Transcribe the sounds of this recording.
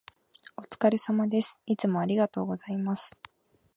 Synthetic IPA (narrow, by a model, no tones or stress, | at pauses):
o̞t͡sɨ̥kaɾe̞samad̪e̞sɨ̥it͡sɨmo̞aɾʲiɡat̪o̞ːɡo̞zaimasɨ̥